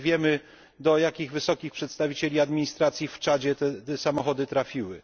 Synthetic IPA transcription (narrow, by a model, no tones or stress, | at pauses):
vʲjɛmɘ | d̪ɔjakʲiɣvɘsɔkʲixpʂɛt̪st̪avʲit͡ɕelʲiad̪mʲiɲist̪ɾat̪sʲjift͡ʂad͡ʑɛt̪ɛɛsamɔxɔd̪ɘt̪ɾafʲiwɘ̰